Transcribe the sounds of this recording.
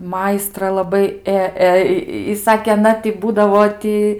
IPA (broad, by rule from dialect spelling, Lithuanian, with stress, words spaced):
ˈmɐɪstrɐ lˠɐˈbɐɪ ˈeː ˈeː ɪ ˈsɑːkʲeː ɐˈnɐ tɐɪ ˈbuːdɐʋoː ˈtʲɪ